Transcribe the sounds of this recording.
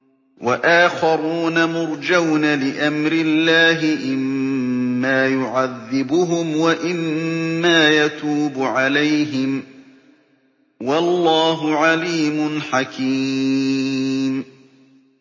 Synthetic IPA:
waʔaːxɑɾuːnamʊɾd͡ʒawnalɪʔamɾɪlːaːɦɪʔɪmː | aːjʊʕaðːɪbʊɦʊmwaʔɪmːaːjat̪uːbʊʕalajɦɪm | wɑlːɑːɦʊʕaliːmʊnħakʰiː | m

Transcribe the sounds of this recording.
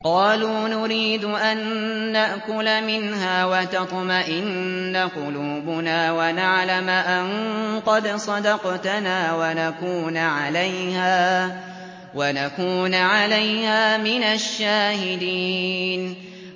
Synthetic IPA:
qɑːluːnʊɾiːd̪ʊʔanːaʔkʊlmɪnɦaːwat̪ɑt̪ˤmaʔɪnːaqʊluːbʊnaːwanaʕlamʔanqɑd̪sˤɑd̪ɑqt̪anaːwanakuːnʕalajhaː | wanakuːnʕalajhaːmɪnaʃːaːhɪd̪iːn

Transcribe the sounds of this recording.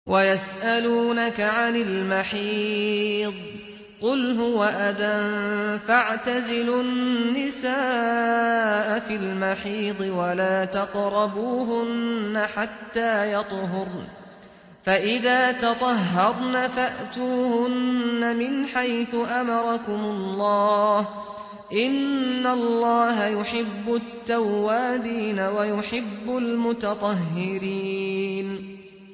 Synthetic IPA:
wʔajasʔaluːnakaʕanɪlmaħiː | d̪ˤ | qʊlɦʊwaʔaðanfaʕt̪azɪlʊnːɪsaː | ʔafɪlmaħiːd̪ˤɨwalaːt̪ɑqɾˤɑbuːɦʊnːaħat̪ːaːjɑt̪ˤɦʊɾ | faʔɪðaːt̪ɑt̪ˤɑɦːɑɾˤnafaʔt̪uːhʊnːamɪnħajθʊʔamɑɾˤɑkʊmʊllːɑːh | ʔɪnːalˤːɑːɦajʊħɪbːʊt̪ːawːaːd̪iːnawajʊħɪbːʊlmʊt̪ɑt̪ˤɑɦːɪɾiːn

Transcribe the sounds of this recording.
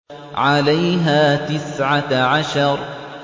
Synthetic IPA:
ʕalajɦaːt̪ɪsʕaʕaʃɑɾˤ

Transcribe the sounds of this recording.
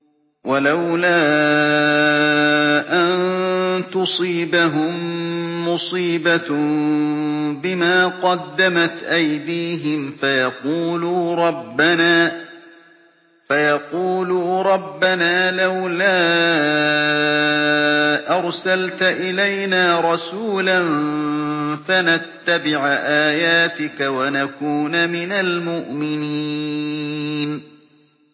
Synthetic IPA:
walawlaː | ʔant̪ʊsˤiːbaɦʊmːʊsˤiːba | bɪmaːqɑd̪ːamat̪ʔajd̪iːɦɪmfajɑquːluːɾˤɑbːanaː | fajɑquːluːɾˤɑbːanaːlawlaː | ʔɑɾˤsalt̪ʔɪlajnaːɾˤɑsuːlan | fanat̪ːabɪʕʔaːjaːt̪ɪkawanakuːnamɪnalmʊʔmɪni | n

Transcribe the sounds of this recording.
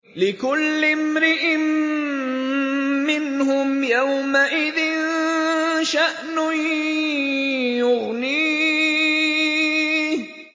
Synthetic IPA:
lɪkʊlːɪmɾɪʔɪm | ɪnhʊmjawmaʔɪðɪn | ʃaʔnʊ | jʊɣniː

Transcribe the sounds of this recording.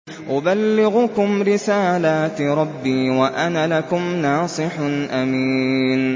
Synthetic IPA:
ʔʊbalːɪɣʊkʊmɾɪsaːlaːt̪ɾˤɑbːiːwaʔanalakʊmnɑːsˤɨħʔamiːn

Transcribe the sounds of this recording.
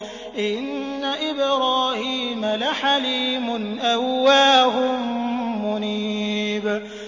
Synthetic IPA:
ʔɪnː | aʔɪbɾɑːhiːmalaħaliːmʊnʔawːaːɦʊmːʊniːb

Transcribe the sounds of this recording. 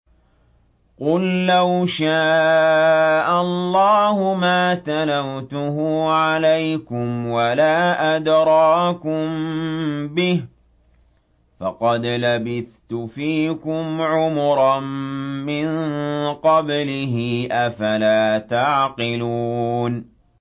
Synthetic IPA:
qʊlːawʃaː | ʔalˤːɑːhʊmaːt̪anawt̪ʊɦʊʕalajkʊmwalaːʔad̪ɾˤɑːkʊm | bɪh | fɑqɑd̪labɪθt̪ʊfiːkʊmʕʊmʊɾˤɑmːɪnqɑblɪɦɪʔafalaːt̪aʕqɪluːn

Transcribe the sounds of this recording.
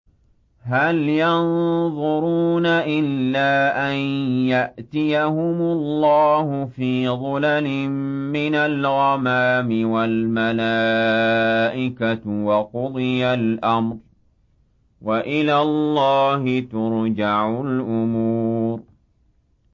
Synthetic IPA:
ɦaljɑnðˤʊɾuːnaʔɪlːaːʔanjaʔt̪ɪjahʊmʊlːɑːhʊfiːðˤʊlalɪmːɪnalɣɑmaːmɪwalmalaː | ʔɪkawɑqʊd̪ˤɨjalʔamɾ | waʔɪlaːlːɑːhɪt̪ʊɾd͡ʒaʕʊlʔʊmuːɾ

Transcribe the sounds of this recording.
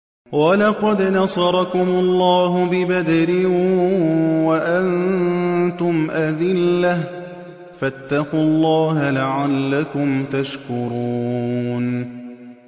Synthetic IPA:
wɑlɑqɑd̪nɑsˤɑɾˤɑkʊmʊlˤːɑːɦʊbɪbad̪aɾɪ | waʔann | t̪ʊmʔaðɪlːah | fat̪ːɑqʊlˤːɑːɦalaʕalːakʊmt̪aʃkʊɾuːn

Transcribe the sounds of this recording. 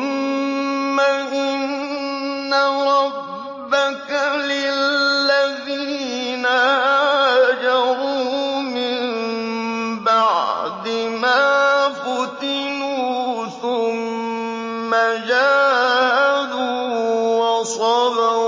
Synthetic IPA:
mː | aʔɪnː | aɾˤɑbbː | akalɪlːaðiːnahad͡ʒaɾuːmɪm | baʕd̪ɪmaːfʊt̪ɪnuːθʊmː | ad͡ʒaːhaduːwɑsˤɑda

